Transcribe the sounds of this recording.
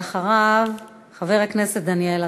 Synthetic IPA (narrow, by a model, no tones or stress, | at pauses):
aχaʁav | χaveʁekneset̪̚d̪aniela